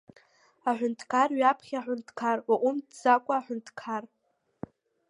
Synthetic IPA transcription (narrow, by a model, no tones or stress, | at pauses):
aħʷᶣʊntʰkʰarɥapʰχʲaħʷᶣʊntʰkʰarwaʔʷʊmdd͡zakʷʼaːħʷᶣʊntʰkʰar